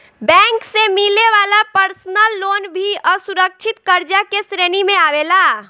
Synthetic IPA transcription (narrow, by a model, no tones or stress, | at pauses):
bɛ̃ŋksemileʋalapəɾsnəlːonbʱiəsuɾək̚t͡ʃʰit̪kəɾd͡ʒakesɾenimẽaʋela